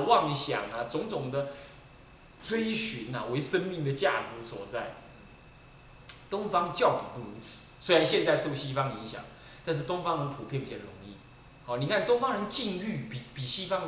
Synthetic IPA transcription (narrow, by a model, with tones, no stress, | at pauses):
wɑ˥˩ŋɕjɑ̰˨˩ŋɐ˨˩t͡sʊ˧˥ŋt͡sʊ˨˩ŋd̪ə˦ | t͡sʰwe˥ɪɕy˧˥nɐ̰˨˩we˧˥ɪʂə˥nmi˥˩ŋd̪ə˨t͡ɕja̰˥˩t͡sɹ̩˧˥swɔ̰˨˩t͡sa˥˩ɪ | t̪ʊ˥ŋfɑ˥ŋt͡ɕjɑ˥˩ʊnḭ˨˩npu˥˩ɻu˧˥t͡s̩ʰ˨˩˦swe˥ɪɻa˧˦nɕjɛ˥˧nt͡sa˥˧ɪso˥˩ʊɕi˥fɑ˥ŋi˧˥ŋɕjɑ̰˨˩˦ŋ | t̪a˥˧nʂ̬̩˥˩t̪ʊ˥ŋfɑ˥ŋə˧˦npʰu˨˩pʰjɛ˥˨npi˨˩t͡ɕjɑ˥˩ɻʊ̰˧˥ŋḭ˥˩ | hɔ˥˩ni˨˩kʰa˥˩nt̪ʊ˥ŋfɑ˥ŋɻə˧˦nt͡ɕi˥˧ŋy˥˩pi˨˩pi˨˩ɕi˥fɑ˥ŋ